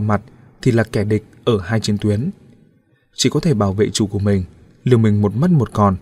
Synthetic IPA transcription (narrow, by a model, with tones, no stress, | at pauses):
ma˨˩t̚ | t̪ʰi˨˩laː˨˩kɛ˧˩ɗi˨˩k̟̚ʔəː˧˩ɦaː˧jt͡ɕi˧nt̪wi˨˦ən | t͡ɕi˧˩kɔ˨˦t̪ʰe˧˩ɓaː˧˩wvḛ˧˨t͡ɕu˧˩ku˧˩əmï˨˩ŋ̟ | lɨ˨˩əmï˨˩ŋ̟mo˨˩t̚mə˦˥t̚mo˨˩t̚kɔ˨˩n